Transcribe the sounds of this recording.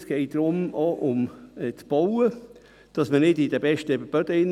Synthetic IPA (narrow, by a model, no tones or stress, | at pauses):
sɡ̥ɛɪt̚d̥ɾʊmɑʔʊmɛt͡sb̥ɔwə | d̥ɑsmənɪdɪd̥əbɛʃtəɛbəb̥œd̥əɪn